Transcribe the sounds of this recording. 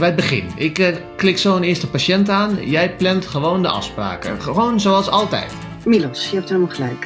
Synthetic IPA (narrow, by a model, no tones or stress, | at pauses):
ʋɛjəd̚bəχɪ̰nɪkklɪksoːənɪəstəpasɛntaːnjɛjplɛntxəʋoːndəʔɑ̰fspra̰ːkə̰ʋoːnzoːalˠsɔlˠtɛ̰jt | milɔsjəɛp̚thɛlˠmalˠχəlɛjk